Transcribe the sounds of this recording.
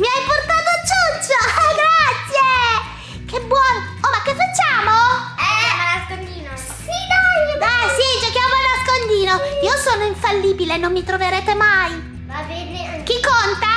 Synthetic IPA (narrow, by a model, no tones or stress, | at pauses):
miajport̪aːt̪ot͡ʃːut͡ʃːoɡɾat̪sːje | kebːwɔːno | omakːefːat͡ʃːaːmoɛmanaskond̪iːno | inoɛsid͡ʒokjamolnaskond̪iːnoiːosoːnoiɱfalːiːbilenːomːit̪ɾoveɾeːt̪emaj | abɛne | k̟ikːont̪a